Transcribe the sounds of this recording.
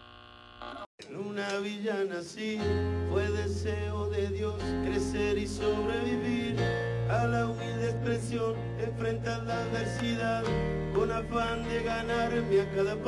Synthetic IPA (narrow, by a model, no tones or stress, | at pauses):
enunaβ̞iʎanasipwe̞ðeseoðe̞ðjoskɾe̞seɾisoβɾe̞βiβiɾ | alaumild̪espɾesjo̞n | eɱfɾent̪aððaðβeɾsiðað | konafand̪e̞ɣanaɾmeakaðap